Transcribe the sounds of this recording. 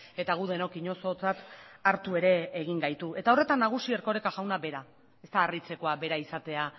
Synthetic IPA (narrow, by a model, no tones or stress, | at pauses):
e̞t̪aɣ̞uðe̞no̞kiɲo̞so̞t͡sat̪aɾt̪ue̞ɾe̞ːɣ̞iŋɡajt̪uʔe̞t̪ao̞re̞t̪anːaɣ̞usieɾko̞ɾekaʝawnabe̞ɾa | e̞st̪aːrit͡se̞ko̞abe̞ɾaisat̪e̞a